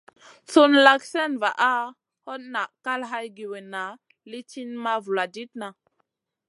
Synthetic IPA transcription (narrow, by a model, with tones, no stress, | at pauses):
su˦nla˦ksɛ˦nva˨ʔa˦ | hɔ˦t̚na˨ʔka˦lɦa˦jɡi˨we˨na˨˦ | li˦ti˦nma˦vu˨la˨di˦t̚na˨